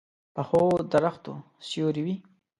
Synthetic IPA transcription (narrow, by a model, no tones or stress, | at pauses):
pəxod̪aɾaxt̪o | sjoɾiwi